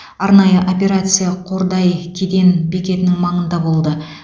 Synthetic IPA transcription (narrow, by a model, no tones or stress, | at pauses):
ɑɾnɑjəʔopʲe̞ɾat̪sɨjaqʰo̞ɾd̪ɑjkʲʰed̪e̞nbekʲe̞t̪ɪnɪŋmɑɴənd̪ɑbo̞lˠd̪ə